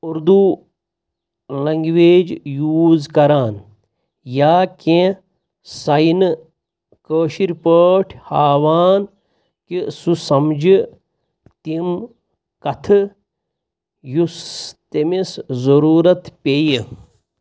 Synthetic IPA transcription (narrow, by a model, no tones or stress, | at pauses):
uɾd̪u | lɐŋɡʋeːd͡ʒjuːzkɐɾaːn | jaːkẽ | sɐjnɨ | kəːʃiɾpəʈʰhaːʋaːn | kisusɐmd͡ʒi | t̪im | kɐt̪ʰɨ | just̪emeszɐɾuːɾɐt̪peji